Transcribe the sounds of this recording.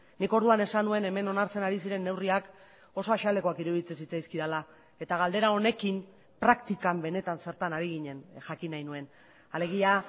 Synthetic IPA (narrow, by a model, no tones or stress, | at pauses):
niko̞ɾð̞uane̞sanue̞ne̞me̞no̞naɾt͡se̞naɾisiɾe̞nːe̞wriak | o̞so̞aʃald̪e̞ko̞akiɾuðit͡sesit͡sajskiðala | e̞t̪aɣald̪e̞ɾao̞ne̞kim | pɾakt̪ikambe̞ne̞t̪anse̞ɾt̪anaɾiɣ̞iɲe̞nʝakinajnue̞n | ale̞ɣ̞ia